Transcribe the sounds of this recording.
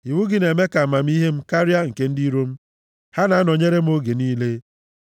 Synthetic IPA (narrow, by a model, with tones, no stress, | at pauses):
i˨wu˦ɡɪ˨ne˨me˦ka˨ma˨m̩˦i˦ɦe˦m̩˦ka˦ɾja˦ŋ̩˨ke˦n̩˦di˦ɾo˦m̩˦ | ha˦na˨a˦nɔ˨ɲe˦ɾe˦m̩˦o˦ɡe˨niː˦le˦